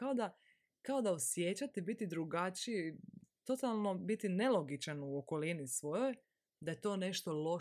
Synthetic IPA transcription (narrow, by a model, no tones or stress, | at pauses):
kao̞d̪a | kao̞d̪aosjeːt͡ɕat̪ibit̪id̪ɾuɡat͡ʃit̪o̞t̪alˠno̞bit̪ine̞lˠo̞ɡit͡ʃanuoko̞linisʋo̞jo̞j | d̪aje̞t̪o̞ːne̞ʃt̪o̞lo̞